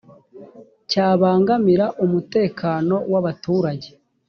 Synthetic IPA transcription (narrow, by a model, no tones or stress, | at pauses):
caːβaːŋɡamiɾaʔumute̞ːkʰaːno̞waβatuːɾaɟe̞̥